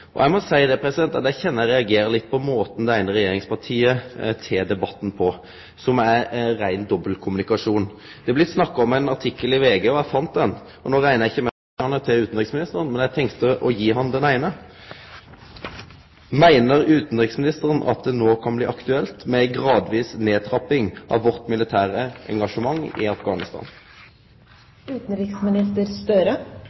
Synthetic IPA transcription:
ʔɔ̰jæɪmɔsæɪd̪ɛpʰɾɛsɪd̪ɛnt̪ɑt̪jæɪçɛnːəjæɾɛɑɡeːɾəlɪt̪̚ːpʰɔmoːt̪n̩d̪ɛæɪnəɾɛjeːɾɪŋspɑʁʈʰiːət̪ʰeːd̪ɛbɑt̪ːn̩pʰɔ | sɔmæɾæɪnd̪ɔbːəlkʰʊmʉnɪkɑʂuːn | d̪̥ɛɛblɪt̪snɑkːɑɔmæɪnɑʁʈʰɪkːəlɪʋeːɡøːɔæfɑnt̪̚d̪ɛn | ɔnoːɾæɪnəjɛɪçːəmæ | ɑnːət̪ʰɪʉːt̪nʁɪksmɪnɪst̪əɾənmɛnjæɪt̪ʰɛŋkt̪əʔɔjiːɦɑnd̪ɛnæɪnə | mæɪnəʁʉːt̪n̩ʁɪksmɪnɪst̪əʁənʔɑ̰t̪̚d̪ɛnoːkʰɑnblḭːʔɑkt̪ʉɛlt̪mɛæɪɡʁɑːd̪ʋiːsneːt̪ʰʁɑpɪŋʔɑ̰ʋʋɔʁt̪mɪlɪt̪ʰæːʁəɛ̰ŋɡɑʂəmɑŋːɪ̰ɑfɡɑːnɪst̪ɑ̰ːn | ʉːt̪n̩ɾɪksmɪnɪst̪əɾst̪œɾə

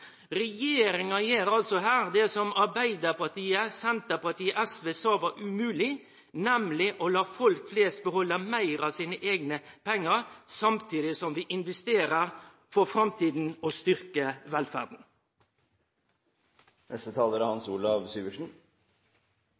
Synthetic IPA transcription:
ʁɛjeːɾɪŋɑjeːɾɑlsɔɦæːʁd̪ɛsɔmɑɾbæɪd̪əpɑt̪iːəsɛnt̪əpɑt̪iːəʔæsʋeːsɑːʋɑʔʉmʉːlɪ | nɛmlɪʔolɑːfɔlkfleːst̪̚bəhɔlːəmæɪɾɑʋsiːnəʔeːɡnəpʰɛŋːəɾsɑmt̪ʰiːd̪ɪsɔmʋiːʔɪnʋɛst̪eːɾəɾ | fɔɾfɾɑmt̪ʰiːd̪n̩ost̪ʏɾkəʋɛlfæ̰ʁd̪n̩ | nʔɛst̪ət̪ʰɑːləɾhɑnsuːlɑʋsyːɡəʂn̩

